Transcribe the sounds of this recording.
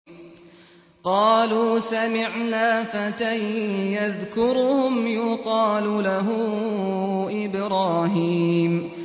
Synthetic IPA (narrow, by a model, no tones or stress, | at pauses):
qɑːluːsamɪʕnaːfat̪ajjaðkʊɾhʊmjʊqɑːlʊlaɦʊ | ʔɪbɾɑːɦiːm